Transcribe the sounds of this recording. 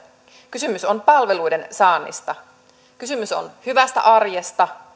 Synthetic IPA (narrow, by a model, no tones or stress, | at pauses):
kysymyso̞npɑlʋe̞lujde̞nsɑːnːḭst̪ɑ | kysymyso̞̰nhyʋæst̪æ̰ʔɑrjest̪ɑ